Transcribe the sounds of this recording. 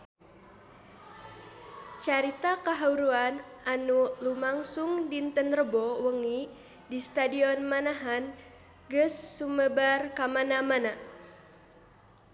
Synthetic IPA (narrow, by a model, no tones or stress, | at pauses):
t͡ʃaɾit̪akəɦauɾuanʔanulumaŋsuŋdint̪ənrəbɔwəŋi | dist̪adiɔnmanaɦan | ɡəsːuməbarkamanamana